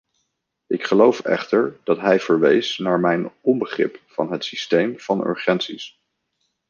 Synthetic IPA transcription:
ʔɪkχəlowfɛ̰χtəɹd̥ɑtɦɛjv̥əɹʋejsnaːɹmɛjnɔmbəχrɪ̰pfɑnɦətsistejmv̥ɑnɵ̰ɹχɛntsis

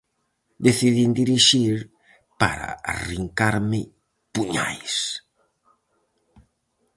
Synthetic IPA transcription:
d̪eθiðind̪iɾiʃiɾ | pa̰ɾa̰ariŋkaɾmɪ | puɲa̰js

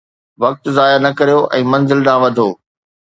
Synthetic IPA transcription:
ʋɐk̚t̪zaːjanɐkɐɾijoʔɛ̃ːmɐ̃nzɪlɗ̪ãːʋɐd̪ʱoː

